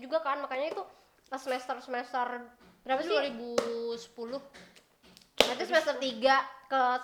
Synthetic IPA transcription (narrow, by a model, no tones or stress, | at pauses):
d͡ʒuɡakanmakaɲait̪u | əsəmɛst̪ərsəmɛst̪ər | b̥əɾapasduaɾibusə̥pulʊh | nat̪isəmɛst̪ərt̪iɡakə